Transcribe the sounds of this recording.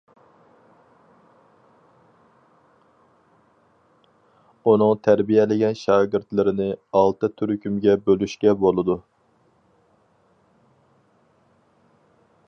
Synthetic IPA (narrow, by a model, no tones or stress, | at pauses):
un̪ɨŋt̪ʰæɾbijɛlɪɡʲɛnʃɑːɡʲɪɾt̪lɪɾɪnɪɑlˠt̪ɨt̪ʰyɾykʲʰymɡʲɛbølyʃkʲɛbolˠɨd̪u